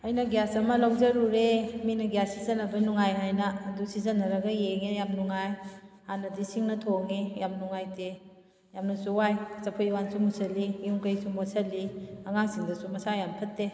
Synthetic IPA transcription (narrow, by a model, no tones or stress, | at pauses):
ɐjnɐɡjasɐmɐlawzɐɾuɾeminɐɡjasːizɐnɐbɐnuŋajɦajnɐːdusizɐnɐɾɐɡɐjeŋejamnuŋajhanɐdisiŋnɐtʰoŋijamnuŋajte | jamnɐsuwajsɐpʰojwansumusɐliuŋkəjsumasɐliɐŋaŋsiŋdɐsumɐsajampʰɐtːe